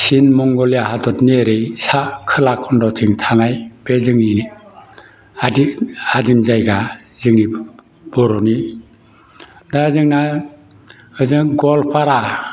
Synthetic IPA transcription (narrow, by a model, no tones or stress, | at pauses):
sinmɔŋɡɔljahatʰɔtneɾɯjsakʰɯlakʰɔndɔwtʰiŋtʰanajb̥ezɯŋnii | aiadimzajɡa | zɯŋni | b̥ɔɾɔni | dazɯŋna | ɯzɯŋɡɔlpʰaɾa